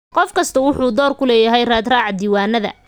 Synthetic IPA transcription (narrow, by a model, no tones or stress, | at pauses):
qɔfkʰɐst̪ʰɐwʊħuːd̪ɔːrkʰʊlɛːjɐɦɛjraːd̪raːʕɑd̪iːwaːnːɐðɐ̰